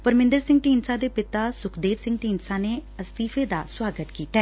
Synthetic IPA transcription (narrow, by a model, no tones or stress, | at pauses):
pəɾmɪ̃nd̪əɾsɪ̃ŋɡʈiːnsãːd̪eːpɪt̪aːsʊkʰd̪eːʋsɪ̃ŋɡʈiːnsãːneːəst̪iːfʰeːd̪a̰ːswaːɡət̪kiːt̪aɛː